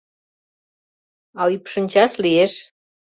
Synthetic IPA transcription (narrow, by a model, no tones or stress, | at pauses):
ɑypʃənʲt͡ɕɑʃlieʃ